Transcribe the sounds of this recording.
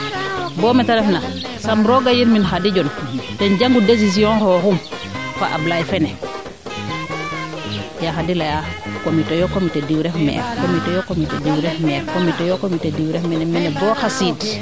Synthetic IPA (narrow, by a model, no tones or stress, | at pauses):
bɔːmɛtaɾɛfna | samɾɔɡajiɾminɦadiɟɔntɛnɟaŋɡudes̬is̬iɔ̃nkɔhum | fa̰ʔa̰blajfɛnɛ | jaɦadilajakomitejɔkomitediwɾɛfmɛ̰fkomitɛjokomitediwɾɛfmɛkomitɛjokomitediwɾɛfmɛnɛmɛnɛbɔːhasid